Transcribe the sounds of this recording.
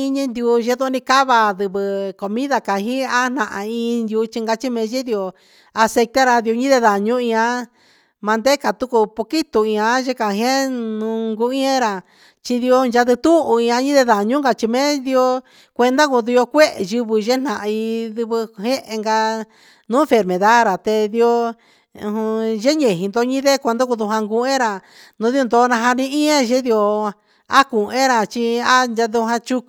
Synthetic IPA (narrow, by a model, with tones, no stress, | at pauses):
i˧ɲĩ˧nd̪u˧ʒe˧˦ðo˦nĩ˧ka˦βa˧ðɨ˧βɨ˧ko˨mĩ˦ða˧ka˨ɦĩ˦a˦n̥ã˧˨ʔã̰˧ĩ˧nd̪ju˧t͡ʃi˧ŋɡa˧t͡ʃi˦mẽ˧ʒe˦ði˧o˧ | a˧se˧kt̪a˦ɾa˧ði˧o˧ɲĩ˦ðe˧ða˨ɲũ˦ĩ˧ã˧ | mã˧nd̪e˦ka˨t̪u˦ku˧po˧ki˦t̪u˧˨ĩ˧ã˧˦ʒe˧˦ka˨˧ɦẽ˦nũ˧ŋɡu˧ĩ˦ẽ˦ɾa˨ | t͡ʃi˧ði˧o˧nʒa˧ðɨ˧t̪u˦ʔu˧ĩ˧ã˧˦ɲĩ˦ðe˧ða˨ɲũ˦ŋɡa˧t͡ʃi˧mẽ˦ði˧o˧ | kʷe˧nd̪a˦ku˧d̪u˧jo˧kʷe˦ʔʒɨ˧βɨ˧ʒe˦n̥nã˨ʔi˧ðu˧βɨ˧ɦẽ˦ʔe˧ŋɡa˧ | nũ˦fe˨ɾmẽ˨ða˦ɾa˨t̪e˧ði˧õ˧ | hũ˧ʒe˦ɲẽ˨ɦĩ˧nd̪o˧˦ɲĩ˦ðe˦kʷnd̪o˦ku˧ðu˧ɦa˧ŋɡu˧ẽ˦ɾa˨ | nũ˧˦ði˧o˧nd̪o˧˦˧nã˧ɦa˧nĩ˧ĩ˦ẽ˦ʒe˦ði˧o˧ | a˦ku˨ẽ˦ɾa˨t͡ʃi˧a˦nd͡ʒa˧ðu˧ɦã˧t͡ʃu˧